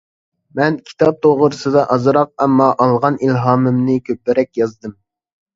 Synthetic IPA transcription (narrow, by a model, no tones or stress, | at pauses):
mɛnkʲʰi̥t̪ʰɑp̚t̪ʰoʁəɾɨsɨd̪ɑʔɑzɨɾɑq̚ɛmːɑʔɑlˠʁɑnilɦɑːmɨmnɨkʲʰøpːɪɾɛkʲjɑzd̪ɨm